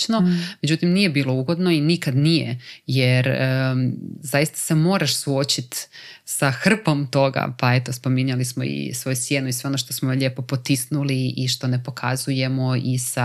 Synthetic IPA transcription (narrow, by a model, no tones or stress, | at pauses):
nome̞d͡ʑd͡ʒut̪imnije̞biːlo̞uɡo̞d̪no̞inikad̪nijḛjeɾ | zajist̪ḁse̞mo̞ːɾaʃsuo̞t͡ɕit̪saxr̩po̞mt̪o̞ɡa̰pae̞t̪o̞spo̞miɲalismo̞̰ḭsʋo̞jusje̞ːnuiseo̞noʃt̪o̞smoʎe̞ːpo̞pot̪isnuliiʃt̪o̞ne̞po̞kʰazuje̞mo̞isa